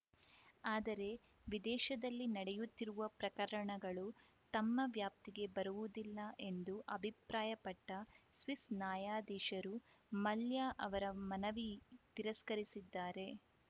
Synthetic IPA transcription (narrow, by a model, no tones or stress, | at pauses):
aːd̪ɐɾe̞ | ʋid̪ɛːʃɐd̪ɐlːinɐɽejut̪ːiɾuʋɐpɾɐkɐɾɐɳɐɡɐɭu | t̪ɐmːɐʋjaːp̚t̪iɡe̞bɐɾuʋud̪ilːɐʔe̞nd̪uʔɐbʱipɾaːjɐpɐʈːɐsʋisnaːjaːd̪iːʃɐɾumɐljaːʔɐʋɐɾɐmɐnɐʋit̪iɾɐskɐɾisid̪ːaːɾe̞